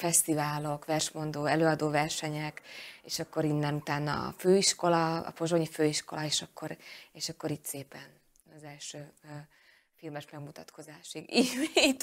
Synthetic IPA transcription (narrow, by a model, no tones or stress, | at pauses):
fɛst̪ivaːlo̞kʋɛrʃmo̞nd̪oːɛløːɒd̪oːvɛrʃɛɲɛkeːʃɒkːo̞ɾinːɛnut̪aːnːɒ̰føːiʃko̞lɒɒ̰po̞ʒo̞ɲiføːiʃko̞lɒeːʃɒkːo̞ɾeːʃɒkːo̞ɾit̪seːpɛn | ɒzɛlʃøː | filmɛʃmɛɡmut̪ɒt̪kʰo̞zaːʃiɡiit̪ː